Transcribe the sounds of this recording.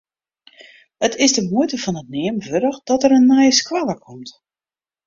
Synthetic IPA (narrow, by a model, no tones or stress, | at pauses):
ətʰɪsdəmuətəfɔnət̚nɪəmvøɾəxd̥ɔtəɾənːɛjskwaləkʰɔmt